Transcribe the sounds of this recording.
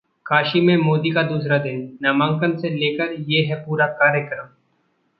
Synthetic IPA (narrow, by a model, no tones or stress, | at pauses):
kʰaːʃimẽmoːd̪ikad̪uːsɾad̪ɪnːaːmãːŋkənseleːkəɾjeːɦɛpuːɾakaːɾjəkɾəm